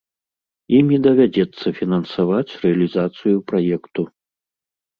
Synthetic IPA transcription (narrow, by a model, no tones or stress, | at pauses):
imʲid̪ɐvʲad͡zʲɛt̪sːɐfʲinɐnsavat͡sʲrɛɐlʲizat̪sɨjupɾajɛkt̪u